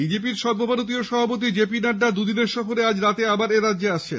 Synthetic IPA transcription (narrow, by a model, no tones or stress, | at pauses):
bid͡ʑep̬iɾʃɔd̪̚bʱɔbanot̪̬ioʃɔbʱapot̪̬id͡ʑepinaɖːad̪ud̪ineɾʃɔfoɾead͡ʑɾat̪eabaɾeɾadd͡ʑeaʃt͡ɕʰḛ